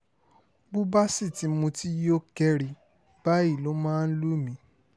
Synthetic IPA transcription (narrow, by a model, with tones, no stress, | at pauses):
bu˦ba˦si˦˨ti˨˦mũ˧ti˦jo˦kɛ˧ɾi˨ | b̥a˦i˦˨lo˨˦mãː˦˧n̩˦lu˦mĩ˧˦